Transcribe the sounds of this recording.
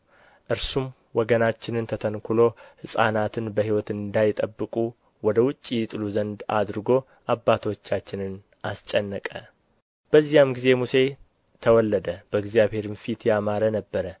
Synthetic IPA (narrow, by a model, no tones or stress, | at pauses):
ʔɨɾsum | wɔɡənat͡ʃːɪnɨnt̪ʰət̪ʰənkʰʊlo̞hɨsʼa̰nat̪ʰɨnbəɦiwɔt̪ɨnd̪ajɪt̪ʼəbːɨkʼu | wɔd̪əwʊt͡ʃʼːijt̪ʼɨluzənd̪a̰d̪ɾɨɡo̞ | ʔabːat̪ʰo̞t͡ʃːat͡ʃːɪnɨn | ʔast͡ʃʼːənːəkʼə | b̥əzːijamɡize̞muse̞ | t̪ʰəwɔlːəd̪əb̥əɡzijaβhe̞ɾɨnfit̪jamaɾənəbːəɾə